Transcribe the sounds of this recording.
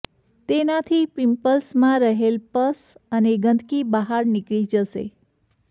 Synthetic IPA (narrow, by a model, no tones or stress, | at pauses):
t̪enat̪ʰipɪmpəlsmãɾəɦelpəsəneɡə̃nd̪ʱkibəɦaɾnɪkɭid͡ʒəʃḛ